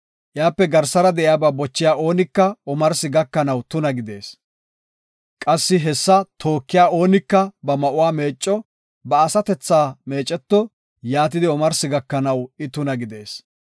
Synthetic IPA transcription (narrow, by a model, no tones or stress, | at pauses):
ʔjaːpːɛɡɐɾsɐɾɐd̪ɛʔɪjaːbabɔt͡ʃːɪjaːʔo̞ːnɪkːɐɔmɐɾsɪɡɐkːɐnɐwt̪ʊnɐɡɪd̪e̞̰ːs | kʼɐsːɪɦɛsːɐt̪ʰo̞ːkːɪjaːo̞ːnɪkːɐbɐmɐʔʊwaːme̞ːt͡ʃʼːɔ | bɐːsɐt̪ɛt͡sːaːme̞ːt͡ʃʼːɛt̪ːɔ | jaːt̪̬ɪd̪ɪɔmɐɾsɪɡɐkːɐnɐwɪt̪ʊnɐɡɪd̪e̞ːs